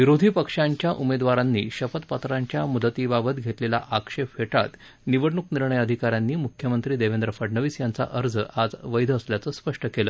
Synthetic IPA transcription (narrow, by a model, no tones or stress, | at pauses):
ʋiɾod̪ʱiːpəkʂaɲt͡ɕjaʔumed̪ʋaɾanːḭːɕəfət̪pət̪ɾaɲt͡ɕjamud̪ət̪iːbabət̪ɡʱet̪lela̰ʔakʂepfeʈa̰t̪ | niʋəɽɳukniɾɳəjəd̪ʱikaɾjanːiːmukʰjəmənt̪ɾiːd̪eʋend̪ɾəfəɖɳəʋiːsjant͡sa̰ʔəɾd͡zəad͡zʋəjd̪ʱəəsljat͡səːspəʂʈəkeləː